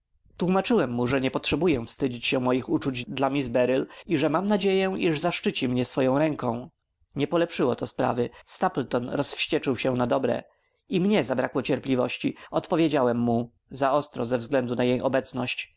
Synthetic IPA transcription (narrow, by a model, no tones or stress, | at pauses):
t̪wumat͡ʂɘwɛmːuʐɛɲɛpɔtʂɛbujɛfst̪ɘd͡ʑit͡ɕɕɛ̃mɔjixut͡ʂud͡ʑd̪lamʲizbɛɾiliʐɛmamnad͡ʑejɛʔiʐzaʂt͡ʂɘt͡ɕimɲɛsfɔjɔ̃w̃ɾɛŋkɔ̃w̃ | ɲɛpɔlɛpʂɘwɔt̪ɔspɾa̰vɘst̪aplt̪ɔnɾɔsfɕt͡ɕɛt͡ʂɘwɕɛnad̪ɔbɾɛ̰ | imɲɛzabɾakwɔt͡ɕɛɾplʲivɔ̰ɕt͡ɕiɔt̪pɔvʲjed͡ʑawɛmːu | zaɔst̪ɾɔzɛvzɡlɛnd̪unajejɔbɛt̪snɔɕt͡ɕ